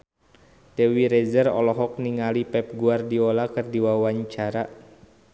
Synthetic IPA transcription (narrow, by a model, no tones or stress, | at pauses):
dɛwiɾɛzərɔ̰lɔɦɔk̚niŋalipɛp̚ɡuardiɔlakɨrdiwawaɲt͡ʃaɾa